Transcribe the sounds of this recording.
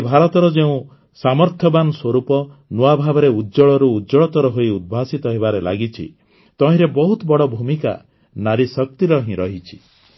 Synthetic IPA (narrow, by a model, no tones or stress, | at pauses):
bʱaɾɔt̪ɔɾɔd͡ʒeũ | samɔɾt̪ʰjɔbanɔswɔɾupɔnuabʱabɔɾeudd͡ʒɔɭɔɾuːdɔɭɔt̪ɔɾɔɦoiud̪̚bʱasit̪ɔɦeβaɾela̰ɡit͡ʃʰḭ | t̪ɔɦĩɾebɔɦut̪ɔbɔɽɔbʱumika̰ | naɾisɔk̚t̪iɾɔɦĩɾɔɦit͡ʃʰi̥